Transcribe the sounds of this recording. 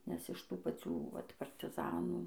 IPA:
nʲɛs ɪʃ ˈtuː pɐˈt͡sʲuː ˈʋɐt pɐrʲtʲɪˈzɑːnuː

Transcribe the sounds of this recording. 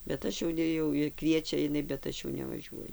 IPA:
bʲɛt ˈɐʃ jɛʊ ˈnʲɛ jɛʊ ɪr ˈkʋʲiɛt͡ʃʲɛ ɪˈnɐɪ bʲɛt ˈɐʃ jɛʊ nʲɛʋɐˈʒʲuɔjʊ

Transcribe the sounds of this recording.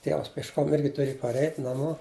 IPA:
ˈtʲiɛʋɐs pʲiɛʃˈkoːm ˈɪrʲɡʲɪ tʊˈrʲeːj pɐrʲˈɛɪtʲ nɐˈmoː

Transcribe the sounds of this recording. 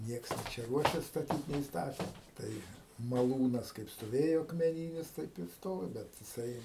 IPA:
ˈnʲiɛks nʲeː ˈt͡ʃʲɛ ˈruɔʃʲɛs stɐˈtʲiːt nʲɛɪ ˈstɑːtʲɛ ˈtɐɪ mɐˈlˠuːnɐs kɐɪp stoːˈʋʲeːjoː ɐkmʲɛˈnʲiːnʲɪs tɐɪp ɪr ˈstoːʋʲɪ ˈbʲɛt jɪˈsɐɪ

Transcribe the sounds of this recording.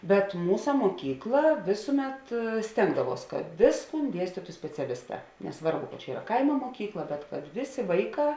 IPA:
bʲɛt ˈmuːsɐ moːˈkʲiːklˠɐ ˈʋʲeːsʊˌmʲɛt ˈsʲtʲeːŋɡdɐˌʋuɔs kɐt ˈʋʲeːsˌkuːn ˈdʲiɛsʲtʲiːtʊ sʲpʲɛt͡sʲɛˈlʲɪsˌtɑː nʲɛˈsʋɐrbʊ kɐt t͡ʃʲɛ ˈiːrɐ ˈkɐɪmoː moːˈkʲiːklˠɐ bʲɛt kɐt ˈʋʲeːˌsʲeː ˈʋɐɪˌkɑː

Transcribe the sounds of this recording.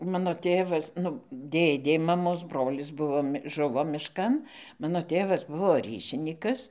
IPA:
ˈmɑːnoː ˈtʲeːʋɐs nʊ ˈdʲeːdʲeː mɐˈmoːs ˈbroːlʲɪs ˈbʊʋoː ˈʒʊʋoː mʲɪʃˈkɐn ˈmɑːnoː ˈtʲeːʋɐs ˈbʊʋoː ˈrʲiːʃʲɪnʲiːkɐs

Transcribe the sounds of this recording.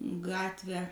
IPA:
ˈɡɑːtʲʋʲæː

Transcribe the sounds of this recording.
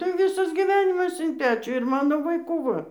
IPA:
tɐɪ ˈʋʲɪsɐs ɡʲɪˈʋʲæːnʲɪmɐs ɪn ˈpʲæːt͡ʃʲuː ɪr ˈmɑːnoː ʋɐɪˈkuː ˈʋɐ

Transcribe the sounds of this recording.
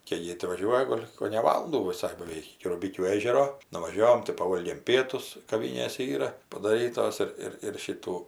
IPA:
kʲɛɪ ˈjeː tʲɪ ʋɐˈʒʲuɔjɛ ˈɡoːlʲ koːnʲɛ ˈʋɑːlˠʊnduː ʋʲɪˈsɐɪ bɐˈʋʲɛɪk ɪkʲɪ rʊˈbʲɪkʲuː ˈeːʒʲɛroː nʊʋɐˈʒʲoːʋoːm tɐɪ pɐˈʋoːlʲɡʲeːm ˈpʲiɛtʊs kɐˈʋʲɪnʲeːsʲɛ ˈiːrɐ pɐdɐˈrʲiːtoːs ˈɪr ˈɪr ɪr ˈʃʲiːtuː

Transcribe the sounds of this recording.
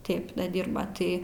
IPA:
ˈtʲeːp dɐ ˈdʲiːrbɐ ˈtɐɪ

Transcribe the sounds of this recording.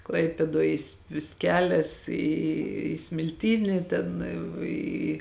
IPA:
ˈklˠɐɪpʲeːdoːj jɪs ʋʲɪs ˈkʲæːlʲɛs iː sʲmʲɪlʲˈtʲiːnʲɪ ˈtʲɛn ˈiː

